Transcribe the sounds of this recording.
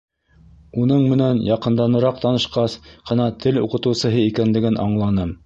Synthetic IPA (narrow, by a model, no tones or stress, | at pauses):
unɤɴmɘ̆nænjɑqɤ̆nd̪ɑnɤ̆ɾɑq̚t̪ɑnɤ̆ʃqɑsqʰɤ̆nɑt̪ʰɘlṵqɤ̆t̪ɤ̆wsɤ̆ɦɤikænlɘ̆ɡɘnʔɑ̰ɴlˠɑnɤm